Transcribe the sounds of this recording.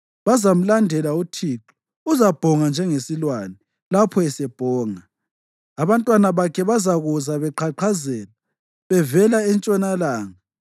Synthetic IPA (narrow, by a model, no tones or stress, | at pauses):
βazam̩landʱɛlautʰiːǁu̥ | uzab̥ʱɔŋand͡ʒʱɛŋesilwanɛ | lapʰɔɛsɛb̥ʱɔːŋaː | βantʼwanaβakʰɛβazaɣuzaβɛǃʰaǃʰazɛːla | βɛvɛlaɛnt͡ʃʼɔnalaːŋa